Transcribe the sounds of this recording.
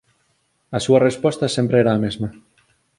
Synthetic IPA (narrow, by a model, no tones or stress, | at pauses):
asuɐrespɔst̪asẽmpɾeeɾaːmezma